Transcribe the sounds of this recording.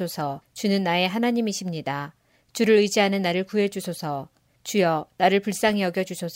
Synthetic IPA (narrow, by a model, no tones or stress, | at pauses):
osʰʌt͡ɕunɯnːae̞ɦanaɲimiɕʰimɲida | t͡ɕuɾɯɾɯd͡ʑiɦanɯnːaɾɯɭkuɦe̞d͡ʑusʰosʰʌ | t͡ɕujʌnaɾɯɭpuɭs͈aŋeʌɡjʌd͡ʑuɕʰo